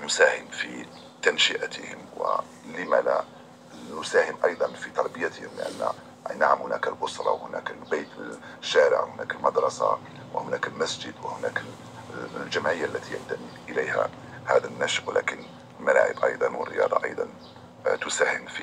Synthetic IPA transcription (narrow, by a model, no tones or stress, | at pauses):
nʊsahəmfi | t̪ænʃəʔt̪əhəmwə̰ | ləmælæ̰ | nʊsæhəmʔɑjd̪ˤɑnfit̪ɑɾˤbəjat̪əhəmlə̰ʔæ̰nːæ̰ | naʕamhʊnæklbʊsɾˤɑ̰whʊnæklbejt̪ə | ʃːæɾə̰ʕhʊnækəlmɑd̪ɾˤɑsa̰ | wəhʊnækəlmæsd͡ʒəd̪wəhʊnæk | lʒæmʕəjːaʔlːæt̪ijant̪aminʔəlæjhæ̰ | hæd̪ænːæʃʔwlækən | lmæla̰ʕə̰bʔɑ̰jd̪ˤɑnwərːə̰jɑ̰d̪ˤɑʔɑ̰jd̪ˤɑn | t̪ʊsæhəmfi